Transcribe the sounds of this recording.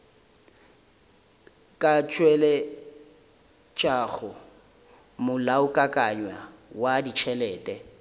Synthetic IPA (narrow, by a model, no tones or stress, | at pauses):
kʼat͡ʃʼwɛlɛ | t͡ʃʼaɣʊ | mʊlaʊkʼakʼaɲwawadit͡ʃʰɛlɛːtʼɛ